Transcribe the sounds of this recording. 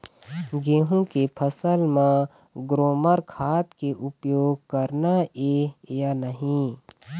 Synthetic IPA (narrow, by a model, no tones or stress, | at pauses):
ɡeːɦũkepʰəsəlmã | ɡɾoːməɾkʰaːt̪keʔʊpjoːɡ̚kəɾnaeːjanəɦĩ